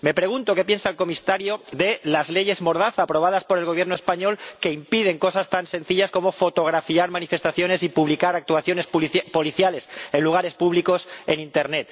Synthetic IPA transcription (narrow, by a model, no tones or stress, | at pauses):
me̞pɾe̞ɣ̞unt̪o̞ke̞p̬je̞nsalko̞mist̪aɾjo̞ðe̞lazle̞ʝe̞zmo̞ɾðaθaːpɾo̞β̞aðaspo̞ɾe̞lɣoβjenoespaɲo̞lke̞impið̞e̞ŋko̞sast̪ansẽ̞nθiʎasko̞mo̞fo̞t̪o̞ɣ̞ɾafiaɾmanife̞st̪aθjo̞ne̞sipuβlikaɾak̚t̪uwaθjo̞ne̞sppo̞liθjale̞se̞nluɣ̞aɾe̞spuβliko̞se̞nint̪e̞ɾne̞t̪